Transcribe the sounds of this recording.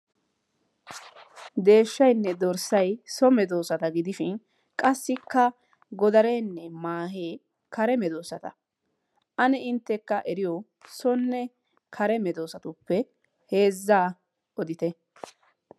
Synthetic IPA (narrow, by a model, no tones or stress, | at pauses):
d̪e̞ːʃːɐjnːɛd̪ɔɾsɐjsɔmɛd̪o̞ːsɐt̪ɐɡɪd̪ɪʃɪn | kʼɐsːɪkːɐ | ɡɔd̪ɐɾeːnːɛmaːɦeː | kʰɐɾɛmɛd̪oːsɐt̪ɐ̰ | ʔɐnɛɪnt̪ːɛkːɐʔɛɾɪjɔ | sɔnːɛ | kʰɐɾɛmɛd̪o̞ːsɐt̪ʊpːɛ | he̞ːzːaː | ɔd̪ɪt̪ɛ